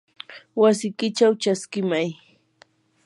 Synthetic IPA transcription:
was̬ɪkɪt͡ʃawt͡ʃaskɪmaj

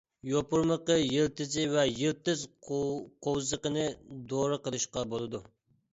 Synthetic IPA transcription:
jopuɾməqəjilt̪ɪzɪwɛjilt̪ɪz | qʰowzəqənɨd̪oɾɨqəlˠɨʃqɑbolˠɨd̪u

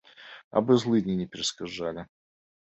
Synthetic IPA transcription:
ɐ̰bɨzlˠɨnʲɪnʲɪpʲɪɾʲɪskɐʐalʲɪ

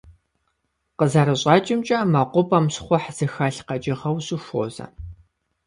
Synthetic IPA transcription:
qəzaɾɨɕʼɑːt͡ʃʼɪmt͡ʃʼɐmɐqʷʊpʼɐmɕχʷɔħz̥ɨxaɬqɐt͡ʃʼɪʁɐwɕʼɪxʷo̰ːzɐ̰

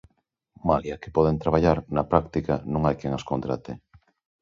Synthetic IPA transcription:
maljake̥pɔðent̪ɾaβaʎaɾnɐpɾakt̪ikanõŋajkeŋaskont̪ɾat̪e

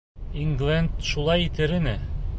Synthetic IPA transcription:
iŋɡlʲˠænd̪ʃulˠɑjit̪ɘ̆ɾɘ̆nɘ

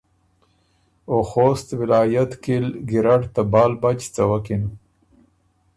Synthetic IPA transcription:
oxost̪wɪlɑːjat̪kilɡiɾaɽt̪abɑːlbat͡ʃt͡sawakin

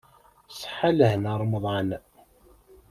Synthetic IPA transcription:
sˤħaləhnəɾˤmðˤʕən

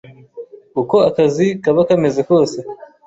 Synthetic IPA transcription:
uko̞akazikaβakame̞zeko̞ːse̞

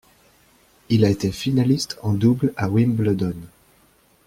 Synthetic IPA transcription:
ilaet̪efinalist̪ʰɑ̃d̪ublawimbləd̪ɔn

